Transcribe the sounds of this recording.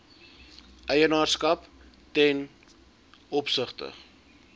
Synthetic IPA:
ʔɛjənɑːrskɐp | tɛn | ɔpsəχtə̰

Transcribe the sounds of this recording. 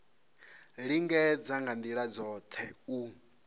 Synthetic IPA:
ɺiŋɡɛd͡zaŋɡand̪iɺad͡zɔt̪ʰɛu

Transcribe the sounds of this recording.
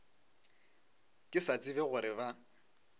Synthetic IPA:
kʼɪsat͡sʼɪbɛɣʊɾɪba

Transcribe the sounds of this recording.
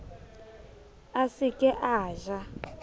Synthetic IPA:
asikʼɛʔaːʒa

